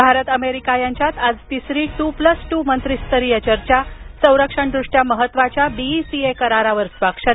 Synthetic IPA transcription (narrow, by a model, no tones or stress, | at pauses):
bʱaɾət̪əmeɾikajaɲt͡ɕjat̪ad͡zt̪isɾiːʈupləsʈumənt̪ɾist̪əɾiːət͡ɕəɾt͡ɕjasə̃w̃ɾəkʂəɳd̪ɾuʂʈjaməɦət̪ːʋat͡ɕjabiisiekəɾaɾaʋəɾsʋakʂə